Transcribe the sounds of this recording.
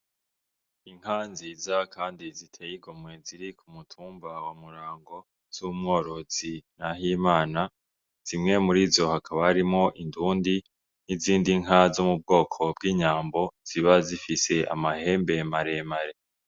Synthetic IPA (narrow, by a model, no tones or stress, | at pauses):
iŋ̥hanzizakʰaːndizitʰejiɡomŋe̞ziɾikʰumutʰuːmbawamuɾaːŋɡo̞ | z̥umŋo̞ːɾo̞z̥inaɦiːmaːna | z̥imŋe̞muɾiːzo̞hakʰaβaaɾimŋo̞ʔinduːndi | niziːndiŋɦazomub̚ɡo̞ːkʰo̞bɡiːɲaːmbo̞z̥iβazifise̞ʔa̰mahe̞ːmbe̞maɾe̞maɾe̞